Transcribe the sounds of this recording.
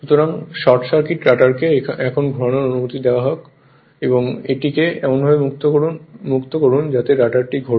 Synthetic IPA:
ʃut̪oɾaŋʃɔɾʈʃaɾkiʈɾaʈaɾkeɛkʰonɡʱɔɾonoɾonumot̪id̪eoaɦɔk | eboŋḛʈikeɛ̰monbʱabemukt̪okounmukt̪okoɾund͡ʑat̪eɾaʈaɾʈiɡʱo

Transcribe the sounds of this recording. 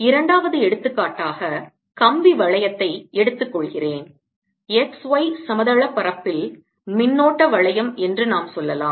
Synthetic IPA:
ɪɾɐɳɖaːʋɐðɯɛɽɯt̪ːɯkːaːʈːaːɣɐ | kɐmbiʋɐɭɐjɐt̪ːɐɪɛɽɯt̪ːɯkːɔɭɣɪreːn | ɛksʋɐɪsɐmɐðɐɭɐpːɐrɐpːɪl | mɪnːoːʈːɐʋɐɭɐjɐmɛndrɯnaːmsɔlːɐlaːm

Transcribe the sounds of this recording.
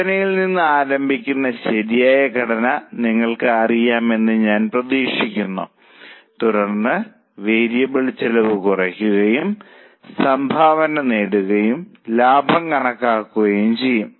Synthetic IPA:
ɐnɐjilninːɨaːɾɐmbʱikʲːunːɐɕɐɾijaːjɐkɐɽɐnɐniŋːɐɭkɨɐrijaːme̞nːɨɲaːnprɐðiːʂikʲːunːṵ | t̪uɾɐrnːɨ | ʋeːɾijɐbeɭit͡ɕːɐlɐʋɨkurɐkʲːuɣɐjum | sɐmbʱaːʋɐnɐneːɽuɣɐjumlaːbʱɐmkɐɳɐkːaːkːuɣɐjumt͡ɕe̞jːum

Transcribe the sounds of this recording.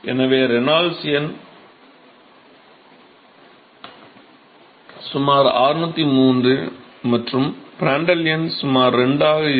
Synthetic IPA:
ʔɛ̰nɐʋeːɾɛnaːlsɪjɐn | sʊmaːɾaːɾɯnɐt̪ːimuːndrɯ | mɐʈrɯmb̥ɾaːɳɖɐlɪjɐnsʊmaːɾːɛɳɖaːɣɐ

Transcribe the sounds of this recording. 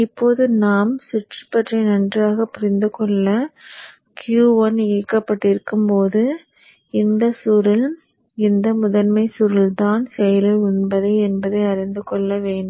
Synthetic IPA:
ɪpːoːðɯnaːmsʊʈrɯpːɐʈrɐɪnɐndraːɣɐpʊɾɪnd̪ɯkɔɭːɐ | kjuːʋɐniːkːɐpːɐʈːɪɾɯkːɯmpoːðɯ | ɪnd̪ɐsuɾɪl | ɪnd̪ɐmʊðɐnmɐɪsuɾɪlt̪aːnsɛjɐlɪʊɳbɐðɐɪɛnbɐðɐɪɐɾɪnd̪ɯkɔɭːɐʋeːɳɖɯm

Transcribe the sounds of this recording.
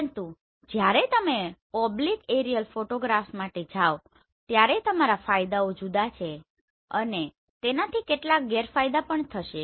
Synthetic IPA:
nt̪u | d͡ʒjaɾet̪əmepɔblikeɾijəlfoʈoɡɾafmaʈed͡ʒʱaʋ | t̪jaɾet̪əmaɾafajd̪aod͡ʒud̪at͡ʃʰe | əne | t̪enat̪ʰikeʈlak̚ɡeɾfajd̪apəɳt̪ʰəʃe

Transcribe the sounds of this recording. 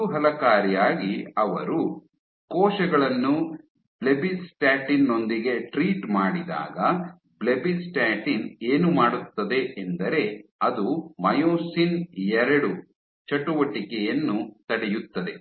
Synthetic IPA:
uɦɐlɐkaːɾjaːɡiɐʋɐ̰ɾu | kɔːʃɐɡɐɭɐnːu | blebisʈaːʈinːo̞nd̪iɡe̞ʈɾiːʈmaːɽid̪a̰ːɡɐ | blebisʈaːʈineːnumaːɽut̪ːɐd̪e̞ʔend̪ɐɾe̞ɐd̪umɐjoːsinɛɾɐɽu | t͡ʃɐʈːuʋɐʈikɛjɐnːut̪ɐɽejut̪ːɐd̪e̞

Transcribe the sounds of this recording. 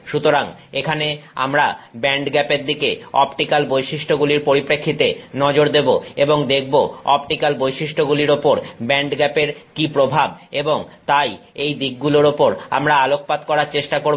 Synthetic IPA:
ʃut̪oɾaŋ | ekʰanea̰mɾabɛɳɖɡɛpeɾd̪ikeɔpʈikalbojʃiʃʈʰoɡuliɾpoɾipɾekʰːit̪enɔd͡ʑoɾd̪eboeboŋd̪ek̚ʰboɔpʈikalbojʃiʃʈʰoɡuliɾopoɾbɛɳɖɡɛpeɾkipɾobʱabeboŋt̪ajejd̪ik̚ɡuloɾopoɾa̰mɾaalok̚pad̪̚kɔɾaɾt͡ɕeʃʈakoɾ

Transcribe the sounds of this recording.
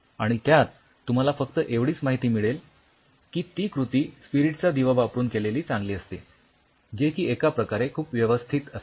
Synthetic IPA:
aɽ̃it̪jat̪ː | um̤alafəkt̪əʔeʋɽiːt͡smaɦit̪iːmiɭel | kiːt̪iːkɾut̪iːspiɾiʈt͡sad̪iʋəʋapɾuːnkeleliːt͡sãŋɡliːəst̪ḛ | d͡ʑekiːekapɾəkaɾekʰuːpʋjəʋəst̪ʰit̪əs

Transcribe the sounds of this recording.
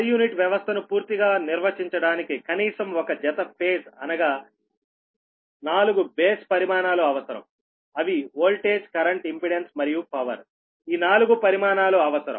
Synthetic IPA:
juːniʈʋjɐʋɐst̪ʰɐnupuːɾt̪iɡaːniɾʋɐt͡ʃiɲt͡ʃɐɽaːnikikɐniːsɐmɔkɐd͡ʒɛt̪ɐpʰe̞ːsɐnɐɡaː | naːluɡubeːspɐɾimaːnaːloɐʋɐsɐɾɐ̰m | ɐʋioːlʈeːd͡ʒkɐɾɐɳʈimpiɽensmɐɾijupɐʋɐ̰ɾ | iːnaːluɡupɐɾimaːnaːloːɐʋɐsɐɾɐ̰m

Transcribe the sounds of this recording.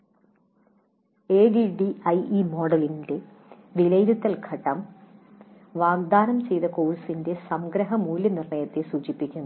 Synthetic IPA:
eːɖiɖiɐjimo̞ːɖɐlinde̞ | ʋilɐjɾut̪ːɐlɡʰʱɐʈːɐm | ʋaːɡd̪aːnɐmt͡ɕe̞jðɐko̞ːɻsinde̞sɐmɡɾɐɦɐmuːlːɐnirɳɐjɐt̪ːesuːt͡ɕipːikʲːunːu

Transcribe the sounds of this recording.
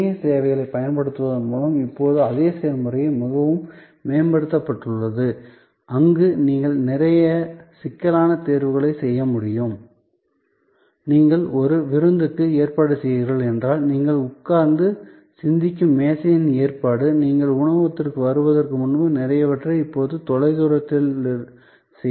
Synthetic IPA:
jɐseːʋɐɪɣɐɭɐɪpɐjɐnpɐɽɯt̪ːɯʋɐðɯnmuːɭɐmɪpːoːðɯɐðeːseːɾmʊrɐjɐmʊɣɐʋɯm | meːɐnbɐɽɯt̪ːɐpːɐʈːɯɭːɐðɯ | ʔɐŋɡɯniːŋɡɐɭnɪɾɐjɐsɪkːɐlaːnɐt̪eːɾʋɯɣɐɭɐɪsɛjːɐmʊɽɪjɯm | niːŋɡɐɭɔɾɯʋɪɾɯnd̪ɯkːɯeːrpaːɽɯsɛjɪɾɐɭɛndraːlniːŋɡɐɭʊkːaːɾnd̪ɯ | sɪnd̪ɪkʲːɯmːeːsɐjɐneːrpaːɽɯniːŋɡɐɭʊɳɐʋɐt̪ːɪrkɯʋɐɾɯʋɐðɐrkɯmʊnbɯnɪɾɐjɐʋɐʈrɐɪpːoːðɯt̪ɔɻɐɪðuːɾɐt̪ːɪl | sɛ

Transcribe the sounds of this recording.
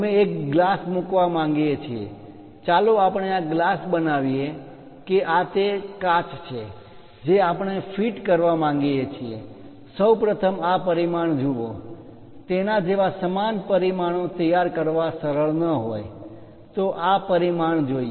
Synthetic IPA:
əmeekɡlasmukʋamãŋɡijet͡ʃʰiḛ | t͡ʃaloapəɳeaɡlasbənaʋije | keʔat̪ekat͡ʃt͡ʃʰe | d͡ʒeapəɳ̃efʰiʈkəɾʋamãŋɡijet͡ʃʰiḛ | səwpɾət̪ʰəmapəɾimaɳd͡ʒuʋo | t̪enad͡ʒeʋasəmanpəɾimaɽ̃õt̪əjaɾkəɾʋasəɾəɭnəɦoj | t̪oʔapəɾimaɳd͡ʒoie

